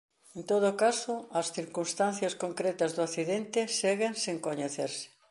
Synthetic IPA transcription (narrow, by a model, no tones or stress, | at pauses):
ẽnt̪oð̞ʊkasoɐsθiɾkunst̪an̟θjɐskoŋkɾet̪ɐzðoaθiðent̪ɪseɣeŋseŋkoɲeθeɾsɪ̥